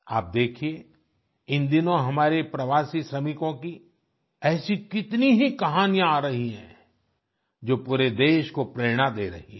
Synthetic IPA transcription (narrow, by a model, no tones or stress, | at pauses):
a̰ːp̚d̪eːkʰie | ɪnd̪ɪnõɦɐmaːɾepɾɐʋaːsisɾɐmɪkõki | ɛːsikɪt̪niɦikɐɦaːnijãaːɾɐɦiɦɛ̰̃ː | d͡ʒoːpuːɾed̪eːʃkopɾeːɽ̃ad̪eːɾɐ̰ɦiɦ